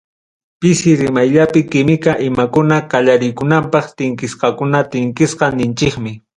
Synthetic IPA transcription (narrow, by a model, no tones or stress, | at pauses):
pɪsɪɾɪmajʎapɪkɪmɪkaʔɪmakʊnakaʎaɾɪjkʊnampɑχt̪ɪŋkɪsqɑkʊnat̪ɪŋkɪsqɑnɪnt͡ʃɪkmɪ